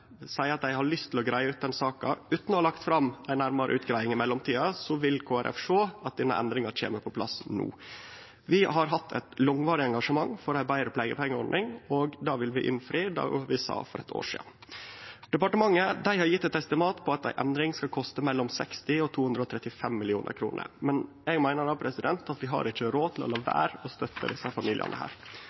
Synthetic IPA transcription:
sæɪəɾɑt̪̚d̪æɪhɑɭʏst̪ʰɪlɔɡɾæɪəʉːt̪̚d̪ɛnsɑːkɑ̰ʉːt̪nɔhɑɭɑkt̪fɾɑmæɪnæɾmɑɾəʔʉːt̪ɡɾæɪɪŋɪmɛlːɔmt̪ʰiːɑsɔʋɪlkʰoːæɾʔɛ̰fʂoːɑt̪̚d̪iːnə̰ʔɛ̰nd̪ɾɪŋɑɾt͡ʃʰḛːməɾpʰɔpʰlɑ̰snṵː | ʋɪɦɑɾɦɑt̪ʰːɛ̰t̪lɔŋʋɑːɾɪɛŋɡɑʂəmɑŋfɔɾæbæɪɾəpʰleːɡəpʰɛŋːəɔɾnɪŋoːɡd̪ɑːʋɪlʋɪʔɪ̰nfɾiːd̪ɑ̰ːʋɪsɑ̰ːfɔɾɛt̪ʰo̰ːʂḭːn | d̪̥ɛpɑʈəmɑŋːəd̪æɪhɑɾjɪt̪ːɛt̪ɛst̪ɪmɑːt̪pʰɔɑt̪̚d̪æ̰ɪʔɛnd̪ɾɪŋskɑkʰɔst̪əmɛlːɔmsɛ̰kst̪ɪɔt̪ʰuːhʉnd̪ɾɔt̪ʰɾɛt̪ːɪfɛmːɪlɪuːnə̰ɾkʰɾuːnə̰ɾmɛn | ɛɡmæɪnəɖɑpʰɾɛsɪd̪ɛnt̪ɑt̪ʋɪɦɑ̰ɾɪc͡çːəɾoːt̪ʰɪlɔ̰lɑːʋæ̰ːɾɔst̪œt̪ːə̰d̪ɪsəfɑmiːlɪ̰ə̰nʔə̰hæ̰ːɾ

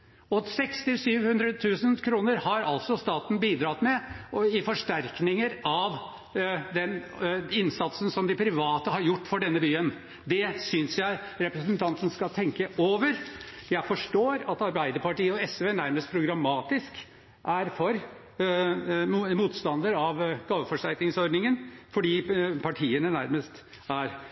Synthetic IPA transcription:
ɔsɛkst̪ɪlsyːʋhʉnd̪ɾət̪ʰʉːsənkʰɾuːnəɾhɑɾɑ̰ltsɔst̪ɑːt̪n̩biːd̪ɾɑt̪mɛɪfɔʂʈæɾknɪŋəɾɑʋ | d̪ɛn | ɪnsɑt̪sənsɔmd̪ɪpʰɾɪʋɑːt̪əɦɑɾjʊʈːfɔɖɛnːəbyːən | d̪ɛsʏnsjæɪɾɛpɾəsənt̪ʰɑnt̪ənskɑlt̪ʰɛŋkəʔoːʋəɾ | jæɪfɔʂʈoːɾɑt̪ɑɾbæɪd̪əɾpɑʈiːəɔɛsʋeːnæɾməst̪pʰɾʊɡɾɑmɑːt̪ɪsk | ʔæɾfɔɾ | muːt̪st̪ɑnd̪əɾɑʋɡ̥ɑːʋəfɔʂʈ̪æɾknɪŋsɔɾɖ̪nɪŋənfɔɖiːpʰɑʈʰiːənənæɾməst̪ | æɾ

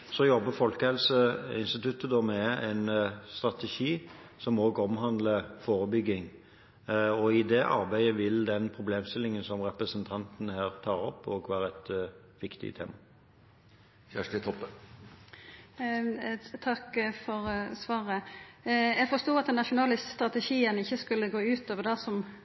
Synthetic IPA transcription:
sɔjɔbːəfɔlkəhɛlsəɪnst̪ɪt̪ʰʉt̪ːəd̪ɔmɛæɪnst̪ɾɑt̪ɛʂiːsɔmoːɡɔmɦɑnd̪ləfoːɾəbʏɡːɪŋ | ɔɪd̪ɛʔɑ̰ɾbæɪəʋɪld̪ɛnpʰɾʊbleːmst̪ɪlːɪŋənsɔmʁɛpɾəsənt̪ʰɑnt̪nhæːɾt̪ʰɑːɾɔpːoːɡʋæːɾəɛt̪ | ʋɪkt̪ɪ̰t̪ʰḛːmɑ | çæʂʈət̪ʰɔpːə | t̪ʰɑkfɔɾsʋɑːʁə | jæɡfɔst̪uːɑt̪̚d̪ɛnːɑʃʊnɑlɪst̪st̪ʁɑt̪əʃiːənɪçːəskʉlːəɡoːʉːt̪ʰoːʋəd̪ɑsɔm

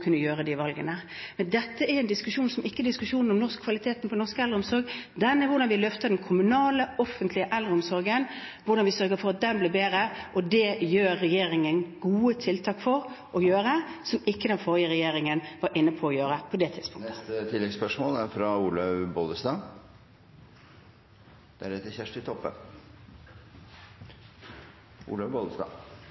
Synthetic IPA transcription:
kʰʉnːəjøːɾəd̪ɪʋɑlɡənəmmɛnd̪ɛt̪ːəʔɛɾɛnd̪ɪskʉʂuːnsɔmʔɪkːəd̪ɪskʉʂuːnnɔmnɔʁskkʰʋɑlɪt̪ʰeːt̪n̩pʰɔnɔʁskəɛlɾəʊmsɔɾɡd̪ɛnːɛʋʊɾɖɑnʋɪlœft̪ɑd̪ɛnkʰʊmʉnɑːləɔfənt̪lɪəʔɛld̪ɾəʊmsɔɾɡənʋʊɾɖ̪ɑnʋɪsœɾɡəfɔɾɑt̪̚d̪ɛnblɪːbeːɾəʔɔd̪ɛjøːɾːɛjeːɾɪŋənɡuːət̪ʰɪlt̪ʰɑːkfɔɾʔɔjøːɾəsɔmɪkːəd̪ɛnfoːʁɪəɾɛjeːɾɪŋənʋɑɾʔɪnːəpʰɔːjøːɾəpʰɔd̪ɛt̪ʰɪd̪spʊŋt̪ət̪ət̪ʰɪlːɛɡspœʂmoːlæɾfɾɑuːləʋbɔld̪əst̪ɑː | d̪̥æɖɛt̪əçæʂʈɪt̪ʰɔpːə̰n | ʔṵːləʋbɔləst̪ɑ̰ː

